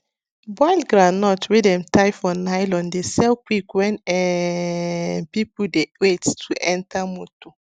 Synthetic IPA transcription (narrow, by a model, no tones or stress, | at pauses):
bɔɪlɡɾanɔtwedɛmtaɪfɔnaɪlɔ̃ndesɛlkwikwɛ̃nɛ | pipʊdewettʰuʔɛ̃ntamoto